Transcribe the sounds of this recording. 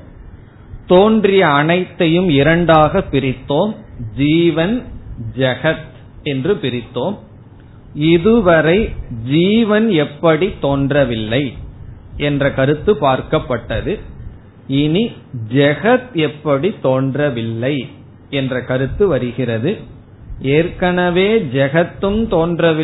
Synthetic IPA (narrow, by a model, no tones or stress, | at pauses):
t̪oːndrɪjɐːnɐɪt̪ːɐjɯmɪɾɐɳɖaːɣɐpːɪɾɪt̪ːoːmd͡ʒiːʋɐnd͡ʒɛɣɐt̪ | ɛndrɯpɪɾɪt̪ːoːm | ɪðɯʋɐɾɐɪd͡ʒiːʋɐnɛpːɐɽit̪ːoːndrɐʋɪlːɐɪ | ɛndrɐkɐɾɯt̪ːɯpaːɾkɐpːɐʈːɐðɯ | ɪnid͡ʒɛɣɐt̪ɛpːɐɽit̪ːoːndrɐʋɪlːɐɪ | ɛndrɐkɐɾɯt̪ːɯʋɐɾɯɣɪrɐðɯ | eːɾkɐnɐʋeːd͡ʒɛɣɐt̪ːɯmt̪oːndrɐʋɪ